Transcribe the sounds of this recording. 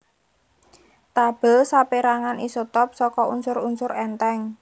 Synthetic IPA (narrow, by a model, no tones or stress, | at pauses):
t̪ab̥ə̤lsapeɾaŋanisot̪ɔp̚sɔkɔʔunsʊɾunsʊɾɛnt̪ɛŋ